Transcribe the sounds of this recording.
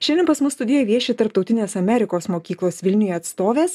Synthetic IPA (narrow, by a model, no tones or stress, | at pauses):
ʃʲɛnd̪ʲɛnpɐsmʊsst̪ʊd̪ʲijɛʋʲiɛʃʲet̪ɐɾp̚t̪ɔʊt̪ʲɪnʲeːsɐmʲɛɾʲɪkoːsmoːkʲiːklˠoːsʋʲɪlʲnʲɪjoɐt̪st̪oːʋʲeːs